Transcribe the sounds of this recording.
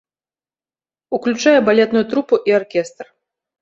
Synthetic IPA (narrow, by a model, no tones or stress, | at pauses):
uklʲut͡ʂajɛbalʲɛt̪nʊjut̪ɾupuʔiarkʲɛst̪r